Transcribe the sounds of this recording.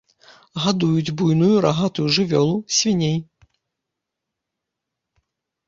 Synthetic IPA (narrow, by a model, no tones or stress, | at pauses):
ɣad̪ujud͡zʲbujnujuɾaɣat̪ujuʐɨvʲɔlˠusʲvʲinʲej